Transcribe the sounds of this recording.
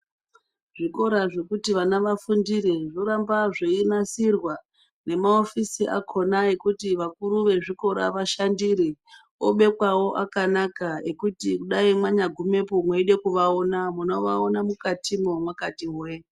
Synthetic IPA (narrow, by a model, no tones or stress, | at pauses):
ʐ̥iko̞ɾaʐe̞kutiʋanaʋafundiɾiʐoɾambaʐeinasirwa | ne̞maofisiʔa̰kʰo̞nae̞kutiʋakuɾuʋe̞ʐiko̞ɾa̰ʋaʃandiɾi | oɓe̞kwawo̞ʔakanakae̞kutikuɗaimwaɲaɡʱume̞pumweiɗe̞kuʋaonamuno̞ʋaonamukatʰimomwakatiɦe